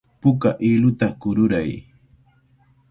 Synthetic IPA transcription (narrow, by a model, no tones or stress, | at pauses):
pʊkaʔilʊt̪akʊɾʊɾaj